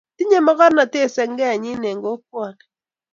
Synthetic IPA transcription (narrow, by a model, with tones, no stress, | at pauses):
ti˦ɲe˦mɔ˦kɔ˦ɾna˨te˦˨sɛ˨ŋɡɛ˦a˨ɲɪ˦ne˨ŋɡo˦k̚wɔ˨nɛ˨